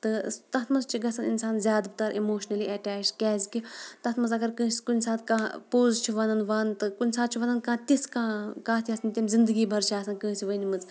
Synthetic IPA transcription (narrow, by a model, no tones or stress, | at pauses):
t̪ɨt̪ɐt̪ʰmɐzt͡ʃʰiɡɐsɐnḭnsaːnzʲjaːd̪bɨt̪ɐɾʔimoːʃnɐliːʔɐʈɛːt͡ʃkʲɛːzʲkʲit̪ɐt̪ʰmɐnzɐɡɐɾkɨ̃ːskunʲsaːt̪ʰkãːpoːzt͡ʃʰiʋɐnɐnʋaːnt̪ɨkunʲsaːt̪̚t͡ʃʰiʋɐnɐnkãːt̪iskãːkãːt̪ʰiɐsnʲt̪ʲimzind̪ɨɡiːbʱɐɾt͡ʃʰaːsɐnkɨ̃ːsiʋənʲimɨz